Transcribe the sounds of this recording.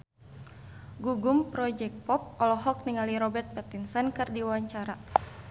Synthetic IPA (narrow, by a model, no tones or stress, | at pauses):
ɡuɡumpɾɔd͡ʒɛk̚pɔp̚ɔlɔɦɔk̚niŋaliɾɔbɛrt̪̚pɛt̪insɛnkɨrdiwaɲt͡ʃaɾa